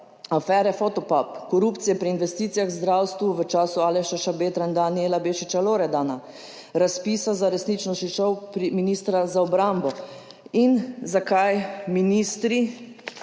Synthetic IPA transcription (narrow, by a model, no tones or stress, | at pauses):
afɛːɾɛfɔt̪ɔpapkɔɾuːpt̪sijɛpɾiːnʋɛst̪iːt̪sijaxzd̪ɾawst̪ʋuʋət͡ʃaːsuaːlɛʃaʃabeːt̪ɾand̪anielabeʃit͡ʃaloːɾɛd̪ana | ɾaspiːsazaɾɛsnit͡ʃnɔʃiʃɔwpɾiminiːst̪ɾazaɔbɾambɔ | inzakajminiːst̪ɾi